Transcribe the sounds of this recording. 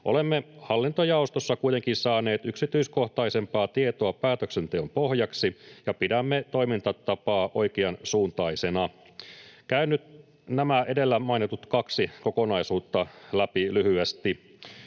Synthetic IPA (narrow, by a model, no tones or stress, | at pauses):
ʔo̞lemːehɑlːint̪ojɑost̪osːɑkuijt̪e̞ŋkinsɑːne̞ːt̪yksit̪yisko̞ht̪ɑise̞mpɑːt̪ie̞t̪o̞ɑpæːt̪øksent̪eompo̞hjɑksijɑpidæmːet̪o̞jmint̪ɑt̪ɑpɑːʔo̞ikeɑnsuːnt̪ɑise̞nɑ | kæynːˑyt̪ | næmæʔe̞de̞lːæmɑinit̪ut̪kɑksiko̞ko̞nɑisuːt̪ːɑlæpilyhyest̪i